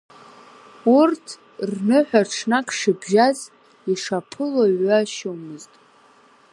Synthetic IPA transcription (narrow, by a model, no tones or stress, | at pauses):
urtʰ | rnɨħʷᶣaʈ͡ʂʰnakʰʼʂɨbʒaz | iʂapʰɨlaɥaʃomɨztʼ